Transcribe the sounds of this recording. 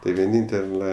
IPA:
tɐɪ ʋʲiɛˈnʲiːnʲtʲɛlˠɐ

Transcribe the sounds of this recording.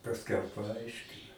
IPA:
pɐsʲˈkʲɛʊ pɐˈɐɪʃʲkʲɪnɐ

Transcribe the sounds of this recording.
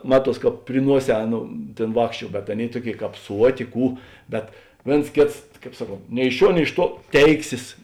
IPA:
ˈmɑːˌtuɔs ˈkɑːp pʲrʲɪ ˈnuɔˌsʲɛː ˈɑːˌnoːʊ ˈtʲeːn ˈʋɑːkʃʲˌt͡ʃʲuɔ bʲɛt ˈɑːˌnʲeːɪ ˈtuɔˌkʲeːɪ ˈkɑːp ˈsuɔˌtʲeː ˈkuː ˈbʲɛt ˈʋʲeːns ˈkʲeːts ˈkɑːp ˈsɑːˌkoːnt nʲɛɪ ɪʃ ˈʃʲuɔ nʲɛɪ ɪʃ ˈtuɔ ˈtʲɛɪksʲeːs

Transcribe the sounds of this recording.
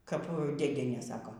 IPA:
kɐp dʲeːˈdʲiɛnʲeː ˈsɑːkoː

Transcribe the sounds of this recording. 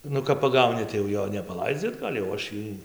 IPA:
ˈnʊ kɐp pɐˈɡɐʊnʲɪ tɐɪ jɛʊ ˈjoː nʲɛpɐˈlˠɐɪd͡zʲɪ ɐdˈɡɐlʲ jɛʊ ˈɐʃ ˈjiː

